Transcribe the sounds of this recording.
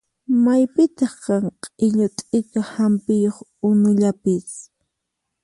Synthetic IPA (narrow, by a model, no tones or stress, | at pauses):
majpɪt̪ɑχqɑŋqʼɪʎʊt̪ʼɪkahampɪjoχʊnʊʎapɪs